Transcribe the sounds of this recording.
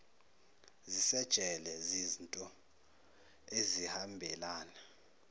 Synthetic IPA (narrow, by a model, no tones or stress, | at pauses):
zisɛd̥ʒ̥ʱɛlɛzizntʼɔ | ezihambʱɛlaːna